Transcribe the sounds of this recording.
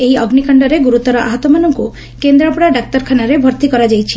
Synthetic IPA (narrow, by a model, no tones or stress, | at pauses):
ejɔɡnikɔɳɖɔɾeɡuɾut̪ɔɾɔʔa̰ɦɔt̪ɔmanɔŋku | kend̪ɾɔpɽaɖak̚t̪ɔɾkʰanaɾebʱɔɾt̪ikɔɾad͡ʒajt͡ʃʰi̥